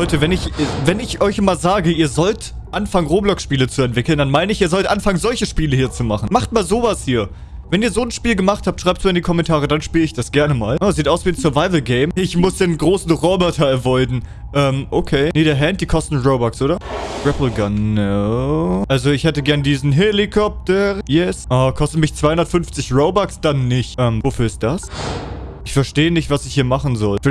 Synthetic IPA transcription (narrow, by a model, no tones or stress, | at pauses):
hɔʏtəvɛnɪçɛvɛnɪçʔɔʏçmaːlzaːɡəʔiːɐzɔltʔanfaŋənʁoːblɔkʃpiːlət͡suɛntv̥ɪkl̩nd̥anmaɪnəɪçiːɐzɔltʔanfaŋənzɔlçəʃpiːləhiːɐt͡sumaχn̩maχt̚maːlzoːvashiːɐ | vɛniːɐzoːnʃpiːlɡəmaχthaːp̚tʃʁaɪptz̥uɪndiːkʰɔmɛntʰaːʁ̞ədanʃpiːləɪçd̥asɡ̥ɛɐnəmaːlʔaziːtʔaʊsv̥iːnsœɐvaɪvl̩ɡeɪmɪçmʊsd̥eːnɡʁoːsn̩ʁɔbɔtʰɐɛɐvɔʏdn̩ | ʔɛːmʔokʰeːneːɾeːɐɦɛnt̚d̥iːkʰɔstn̩ʁoʊbɔksʔoːɾɐɹɛpl̩ɡanːoʊʔalzoɪçhɛtəɡɛɐnədiːzn̩ɦelikʰɔp̚təʁjɛsʔakʰɔstn̩mɪçt͡sv̥aɪhʊndɐtfʏnft͡sɪçʁoʊbɔksd̥anːɪçtʔɛːmvofyːɐɪst̚d̥as | ʔɪçfɛɐʃteːənɪçtv̥asɪçhiːɐmaχn̩zɔl